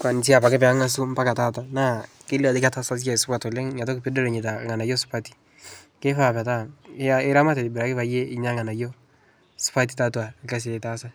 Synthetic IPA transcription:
kwa˨n˨t͡ʃ̬i˦a˨pa˨kɪ˦pɛ˨a˦ŋa˦s̬u˦m˦pa˦ka˨ta˦ta˨na˦kɪ˦la˨di˦ka˦ta˦sa˦s̬a˦˨sʊ˦pa˨to˨le˦ŋɲa˨t̬o˦kɪ˨pi˦do˦le˨ɲe˨t̬a˨ŋa˨na˨jo˦su̥˦pa˦ti̥ | ke˦fa˨pa˨ta˦a˦ɪ˦ɾa˦ma˦te˨di˨bɪɾa˨kɪ˦pa˨je˦ɪ˦ɲa˦ŋa˨na˨jo˦ | su̥˦pa˦t̬i˦ta˦twa˨˦ka˦s̬e˨tasa˦

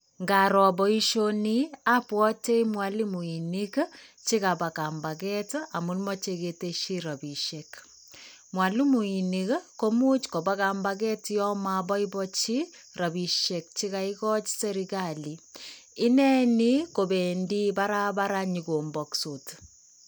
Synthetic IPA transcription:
ŋɡa˨ɾɔ˨bɔ˦i˦ʃo˦ni˦a˦pwɔ˦te˦imwali˦mu˨i˨ni˦kt͡ʃi˦ka˨ba˨ka˨mba˨kɛ˦ta˨mu˦nmɔ˦t͡ʃeke˨te˦ʃi˦ɾa˨bi˨ʃe˨k | mwa˨li˦mu˨i˨ni˨kko˦mu˦t͡ʃko˨ba˦ka˨mba˦k̬ɛ˦tjɔ˦mabɔ˦i˦bɔ˦t͡ʃi˦ | ɾa˨bi˨ʃe˨k̚t͡ʃi˦ka˨ikɔ˦t͡ʃse˦ɾika˨li˨i˦nɛ˦ni˦ko˨be˨ndi˦ba˦ɾa˦ba˦ɾaɲi˨ko˨mbɔ˨kso˨t

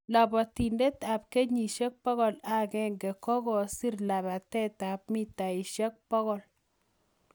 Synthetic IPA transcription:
la˨bɔ˨ti˨nde˦ta˨p̚ke˦ɲi˨ʃe˦k̚pɔ˦ɣɔ˨la˦kɛ˦ŋɡɛ˨kɔ˦ɡɔ˨si˦rla˨βa˨tɛ˦ta˨p̚mi˦ta˨i˨ʃa˦k̚pɔ˦ɣɔ˨l

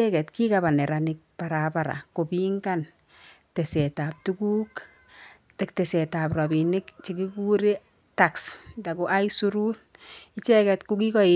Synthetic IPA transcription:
ɛkɛ˨tki˦kaba˨nɛ˨ɾanɪk̚paɾapaɾa̰˨ko˨biŋɡa˦n | tesɛtap̚tukuː˦k | tɛ˨k̚tesɛ˨ta˨pra˨bi˨nɪkt͡ʃi˨ɡiku˦ɾe˦ | takstako˨ʔa˦jsuɾut̚i˦t͡ʃɛ˦kɛtkuki˦kɔ˦

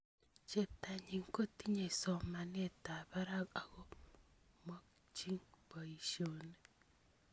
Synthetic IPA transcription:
t͡ʃe˦ta˨ɲi˨ŋko˦ti˦ɲe˨sɔ˨ma˨ne˦˨ta˨βa˦ɾa˦ka˨ɣɔ˦ | mɔ˦k̚ | t͡ʃi˦ŋbɔ˨i˨ʃjo˨ne˨

